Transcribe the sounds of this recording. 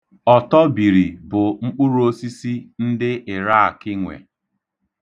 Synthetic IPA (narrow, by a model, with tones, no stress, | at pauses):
ɔ˨tɔ˦bi˨ɾi˨bʊ˨ŋ͡m̩˦k͡pu˦ɾu˦o˦si˦si˦n̩˦dɪ˦ʔɪ˨ɾa˦a˨kɪ˦ŋʷḛ˨